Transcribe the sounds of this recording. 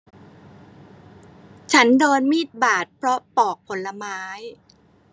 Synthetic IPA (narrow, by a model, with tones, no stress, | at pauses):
t͡ɕʰa˦˥ndoː˧nmiː˥˩t̪̚baː˨˩t̪̚pʰɾɔ˦˥pɔː˨˩k̚pʰo˩˦nla˧maː˦˥j